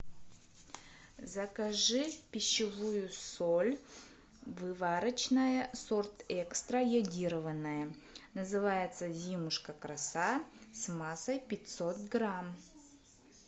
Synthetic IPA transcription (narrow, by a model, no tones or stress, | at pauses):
zɐkɐʐɨpʲɪɕːɪvujʊsolʲ | vɨvaɾət͡ɕnəjəsort̪ɛkst̪ɾəjɐdʲiɾəvənːəjə | nəzɨvajɪt̪səzʲimʊʂkəkɾɐsasmasəjpʲɪtʲsot̪ɡɾam